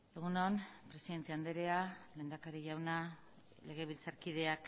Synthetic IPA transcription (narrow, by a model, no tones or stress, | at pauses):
e̞ɣ̞unonpɾe̞siðe̞nt̪e̞and̪eɾe̞ale̞ːnd̪akaɾeʝawna | le̞ɣ̞e̞β̞ilt͡saɾkiðe̞ak